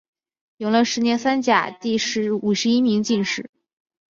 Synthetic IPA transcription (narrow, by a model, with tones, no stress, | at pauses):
jo˧˩ŋlə˧˩ʂɻ̩˧˥njɛ˧˥nsa˥nt͡ɕja̰˨˩t̪i˥˩ʂɻ̩˧˥u˨˩ʂɻ̩˧˥i˥mi˧˥ŋt͡ɕi˥˧nʂɻ̩˥˩˦